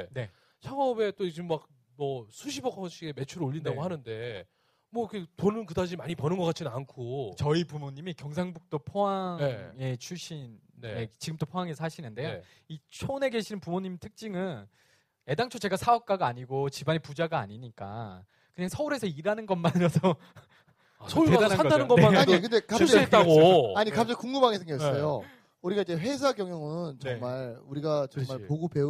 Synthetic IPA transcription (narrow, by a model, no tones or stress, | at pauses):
ne̞ | sʰaŋʌbe̞t͈oid͡ʑɯmmak̚ | mʌsʰuɕʰibʌkʰʌɕʰiɡe̞me̞t͡ɕʰuɾoʎːindaɡohanɯnde̞ | mwʌikʰetonɯnkɯdad͡ʑimaɲipʌnɯnɡʌk͈at͡ɕʰinɯnankʰot͡ɕʌipumoɲimikjʌŋs̬ʰaŋbuk̚t͈opʰoaŋee̞t͡ɕʰuɕʰin | neet͡ɕiɡɯmt͈opʰoaŋesʰaɕʰinɯnde̞jo | it͡ɕʰone̞ɡe̞ɕʰinɯnpumoɲimtʰɯk̚t͡ɕ͈iŋɯn | e̞daŋt͡ɕʰot͡ɕe̞ɡasʰaʌp̚k͈aɡaːɲiɡot͡ɕibaɲepud͡ʑaɡaa̰ɲiɲik͈a̰ | kɯɲaŋsʰʌuɾe̞sʰʌiɾanɯnɡʌnmaɲʌdʌ | sʰoeadʰanɯnɡʌaaɲikɯndekaett͈aɡoaɲikap̚t͡ɕ͈aɡikuŋɯbaŋesʰeŋɡess͈ʌjo | uɾiɡaid͡ʑe̞ɸe̞s̬ʰaɡjʌŋjʌŋɯnt͡ɕʌmaɭuɾiɡat͡ɕʌmɭpoɡupe̞